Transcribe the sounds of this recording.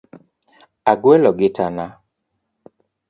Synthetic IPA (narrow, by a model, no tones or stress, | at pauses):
aɡwɛlɔɡɪtana